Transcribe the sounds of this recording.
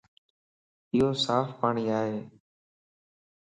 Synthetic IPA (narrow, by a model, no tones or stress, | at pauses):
ɪːoːsaːfpaːɳiːaːɦeː